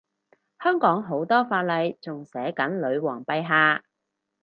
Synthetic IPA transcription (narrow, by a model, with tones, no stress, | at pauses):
hœː˥ŋkɔː˨˥ŋɦo˨˥wt̪ɔː˥faː˧t̚lɐ˧jt͡sʊ˨ŋsɛː˨˥kɐ˨˥nlɵ˨˧ɥwɔː˨˩ŋpɐ˧jɦaː˧